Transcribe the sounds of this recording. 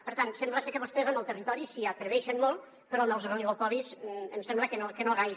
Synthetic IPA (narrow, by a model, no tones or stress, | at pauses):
pəɾt̪ansembləsekəβost̪ezaməlˠt̪ərit̪ɔɾisiat̪ɾəβɛʃənlolˠ | pəɾɔlˠnowzɣoliɣopɔβizə̰msɛmbləkənokənoɣajɾ